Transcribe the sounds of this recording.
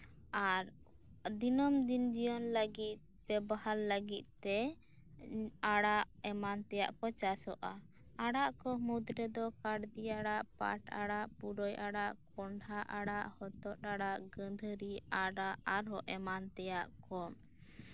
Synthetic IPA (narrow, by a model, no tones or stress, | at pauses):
aɾd̪inɔmd̪ind͡ʒijɔnləɡit̪̚ | pɛbahalːəɡit̪̚t̪ːɛ | aɽaʔɛmant̪ɛja̰ʔkɔt͡ʃasɔʔaaɽaʔkɔmud̪ɾɛd̪ɔkaɽd̪iaɽaʔpa̰ʈa̰ɽaʔpuɖɔjʔaɽaʔkɔɳɖʱaʔaɽaʔhɔt̪ɔt̪̚aɽaʔɡə̃nd̪ʱəɾiaɽaʔaɾɦɔʔɛmant̪ɛjaʔkɔm